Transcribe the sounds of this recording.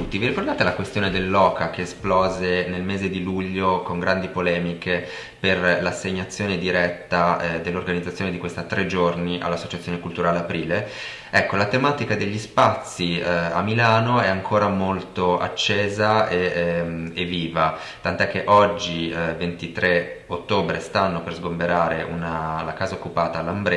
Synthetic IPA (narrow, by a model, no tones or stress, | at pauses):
t̪ut̪ːiviɾikord̪aːt̪elakwest̪joːned̪elːɔːkakeːsplɔːzenelmeːzed̪iluʎːokoŋɡɾand̪ipolɛːmike | perlasːeɲːat̪sːjoːned̪iɾɛt̪ːad̪elːorɡanid̪at̪sjoːned̪ikwest̪at̪ːɾʔed͡ʒorniʔa̰lːasːot͡ʃat̪sjonekult̪uɾaːleapɾiːle | ɛkːolat̪emaːt̪ikad̪eʎːispat̪sːia̰mːilaːnoɛaŋkʰoːɾamolt̪oʔa̰t͡ʃːeːzae | evːiːva | t̪ant̪ɛkːeʔɔd͡ʒːivent̪it̪ɾeot̪ːoːbɾest̪anːoperzɡombeɾaːɾeʔṵnalakaːzaokːupaːt̪aːlːambɾe